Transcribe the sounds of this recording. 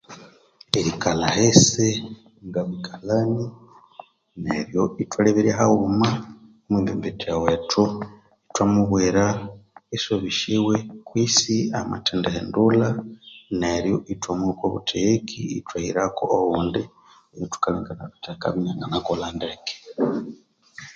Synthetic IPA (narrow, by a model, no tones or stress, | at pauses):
iɾikalahese | ŋɡaβikʰalani | nḛɾjoitwaleβeɾeɦaumaomwibḛmbetijawetʰu | itwamuβweɾaisoβiʃiwekwiːsia̰ma̰tendehendulaneɾjoʔitwamukwoβṵtʰejekʰiːtwaḭɾakoʔoβuːndi | jotu̥kaliŋɡanaβitaka̰βinaŋɡanakolandeeke̥